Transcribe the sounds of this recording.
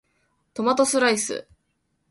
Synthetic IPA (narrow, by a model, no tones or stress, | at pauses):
t̪o̞mat̪o̞sɨɾaisɨ̰